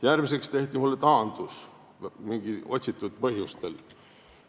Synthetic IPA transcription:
jærmis̬e̞kst̪e̞ht̪ʲimulːet̪ɑːnd̪̥us | miŋɡ̥io̞t̪ʲsit̪ːˑud̪̥̚pɤɦjust̪e̞l

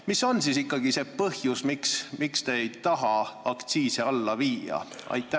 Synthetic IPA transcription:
misonsisikˑːɑɡise̞pɤhjusmiksmikst̪eejt̪ɑɦɑɑkt̪siːseɑlːɑviːjɑ̰ | ɑ̰jt̪ːˑæ

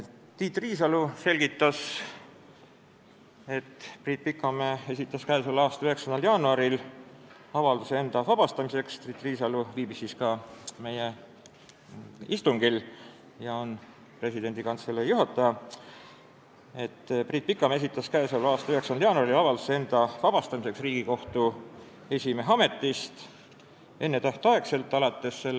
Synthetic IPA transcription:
t̪iːt̪ːˑriːs̬ɑluse̞lʲɡ̥it̪ːˑɑs | et̪ːpriːt̪̚pikːˑɑmee̞sit̪ːˑɑskæesolɑːst̪ɑyɦe̞ksɑnd̪ɑljɑːnuɑɾil | ɑvɑld̪usee̞nd̪̥ɑvɑb̥ɑst̪ɑmise̞kst̪riːt̪ːˑriːsɑluviːbisːiːskɑme̞je | ist̪uŋɡil | jɑo̞n | pre̞sid̪e̞nʲd̪ikɑnt̪se̞lːejuɦɑt̪ːˑɑjɑ | e̞t̪ːˑpriːt̪̚pikːˑɑmes̬it̪ˑːɑskæːsolɑːst̪ɑyheksɑnd̪ɑljɑːnuɑɾiliɑvɑld̪usee̞nd̪̥ɑvɑb̥ɑst̪ɑmise̞ksriːɡ̥iko̞ht̪u | e̞sʲimeɦɑme̞t̪ːˑist̪ | e̞nːet̪æht̪ɑekse̞lt̪ːˑɑlɑt̪ːe̞sːe̞l

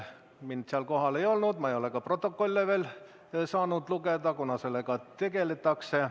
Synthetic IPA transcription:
mind̪seɑlko̞ɦɑle̞jo̞lnud̪̥mɑejo̞lekɑpro̞t̪ːˑo̞kːˑo̞lʲːeve̞ːl | sɑːnud̪̥luɡed̪ɑkunɑse̞lːekɑt̪e̞ɡ̥e̞let̪ːˑɑkse

